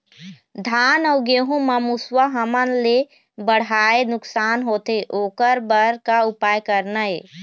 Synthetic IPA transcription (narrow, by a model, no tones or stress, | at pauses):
d̪ʱaːnɔʊɡeːɦũməmuswəɦəmənle | bəɽ̤aenʊksaːnɦoːt̪eʔoːkəɾbəɾkaʊpaːjkəɾnəe